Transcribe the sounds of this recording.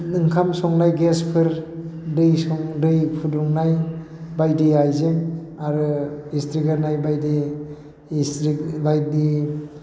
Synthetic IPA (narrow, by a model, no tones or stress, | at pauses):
nɯŋkʰamsɔŋnajɡespʰɯɾdɯjsɔŋdɯjpʰuduŋnaj | bajdiajzeŋaɾɯistɾiɡaɾnajbajdi | sɾbaj̚di